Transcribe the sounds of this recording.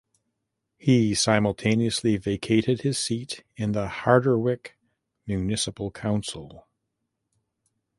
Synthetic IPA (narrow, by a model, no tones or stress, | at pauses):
hisãɪ̃ml̩ˠtʰẽɪ̃niɨsliveɪkʰeɪɾɨd̚ɨz̥siɾɨ̃nðəhɑɹɾə˞wɪk | mjʉnɪsəpl̩ˠkʰãʊ̃nsl̩ˠ